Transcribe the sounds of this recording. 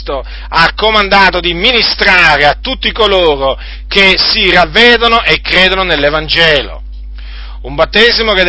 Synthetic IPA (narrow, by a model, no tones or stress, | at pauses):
t̪o | akːomand̪aːt̪od̪iminist̪ɾaːɾeat̪ːut̪ːikoloːɾo | kesiravːeːd̪onoʔekɾeːd̪ononelːevand͡ʒɛːlo̰ | umbat̪ːeːzimoked̪